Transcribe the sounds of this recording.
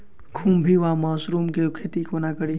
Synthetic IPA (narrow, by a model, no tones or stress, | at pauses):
kʰũmbʱiʋaːmaːsɾuːmkekʰeːt̪ikʰoːnakəɽi